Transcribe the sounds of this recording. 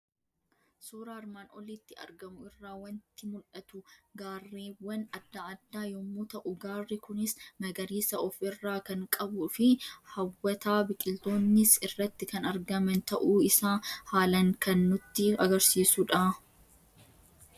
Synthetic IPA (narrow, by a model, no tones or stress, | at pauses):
suːɾaːɾmaːnɔlit̪ːɪɐ̰ɾɡɐmʊɪrːaːwɐnt̪ɪmʊlʔɐt̪ʊɡaːrːiːwːɐnɐd̪ːaɐd̪ːaːjɔmːuːt̪ɐʔʊɡaːrːikʊnɪsnɐɡɐɾiːsɐʔɔfɪrːaːkɐŋkʼɐbʊfɪhɐwːɐt̪aːbɪkʼɪlt̪o̞ːnːɪsɪrːɐt̪ːɪkɐnɐɾɡɐmɐnt̪ɐʔuːɪsaːhaːlɐŋkɐnːʊt̪ːɪɐɡɐɾsiːsʊᶑɐa